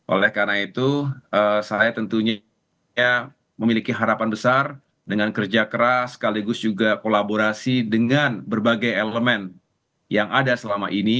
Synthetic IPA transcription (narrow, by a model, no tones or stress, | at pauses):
ʔo̰lɛhkaɾnait̪uʔəːsajat̪ənt̪uɲ | a | məmilikiɦaɾapanbəsar | dəŋankərd͡ʒakəɾasːə̥kaliɡʊsd͡ʒuɡakolaboɾasidəŋanbərbaɡajeləmɛn | jaŋadasəlama̰ʔini